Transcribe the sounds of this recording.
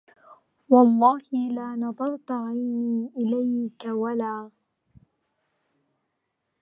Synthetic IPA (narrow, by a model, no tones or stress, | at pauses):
wɑlˤːɑːhɪlaːnɑðˤɑɾˤt̪aʕajniːʔɪlajkawalaː